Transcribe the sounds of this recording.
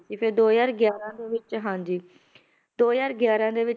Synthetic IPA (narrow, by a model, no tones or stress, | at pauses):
siːpʰeːd̪oːjaːɾɡjaːɾãːd̪eːʋɪt͡ʃɦãːnd͡ʒiː | d̪oːjaːɾɡjaːɾãːd̪eːʋɪt͡ʃ